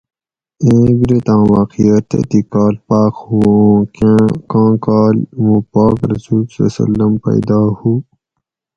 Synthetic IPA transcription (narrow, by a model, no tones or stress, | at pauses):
ẽːɡɾet̪ãːwaːqijɐt̪ḛt̪ikaːlpaːkhuõːkãːkaːlmũpaːkɾɐsuːlso̰ːsɐ̰lːɐmpɐ̰jd̪aːhu